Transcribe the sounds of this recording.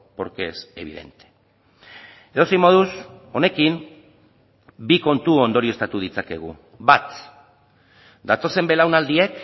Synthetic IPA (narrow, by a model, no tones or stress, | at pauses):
po̞ɾke̞se̞β̞ḭðe̞̰nt̪e̥ | e̞ðo̞sejmo̞ðuso̞ne̞kim | biko̞nt̪uond̪o̞ɾie̞st̪at̪uð̞it͡sake̞̰ɣ̞ṵ | bat̪ | d̪at̪o̞se̞mbe̞lawnald̪iek